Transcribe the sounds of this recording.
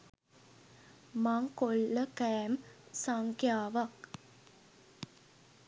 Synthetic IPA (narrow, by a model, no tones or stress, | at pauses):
maŋkolːəkɛːmsaŋkjaːʋɐk